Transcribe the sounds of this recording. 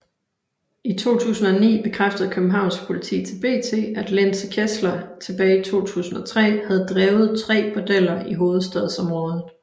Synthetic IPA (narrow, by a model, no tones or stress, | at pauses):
it͡sʰo̝̰ːt͡sʰṵːsn̩ɒ̽nḭːb̥e̝kʰʁafd̥əð̩ˠkʰøb̥̚m̩ɦɑ̈ʊ̰nsɡ̥pʰo̝lit͡sʰḭːt͡sʰe̝lb̥e̝̰ːt͡sʰe̝̰ːæd̥lenskʰeslɐt͡sʰe̝b̥ɛːit͡sʰo̝̰ːt͡sʰṵːsn̩ɒ̽t͡sʰʁɛ̰ːhæð̞̩ˠd̥ʁɛːʊð̞̩ˠt͡sʰʁɛ̰ːb̥od̥el̰ɐiɦo̝ːð̞̩ˠsd̥ɛð̞ˠsɒ̽mʁɔ̽ːð̞̩ˠ